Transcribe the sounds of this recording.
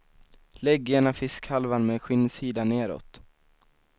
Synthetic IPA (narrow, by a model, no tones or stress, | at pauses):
lɛɡɛɳafɪskhalvanmeːɧʏnːsiːd̪aneːɾɔ̰t̪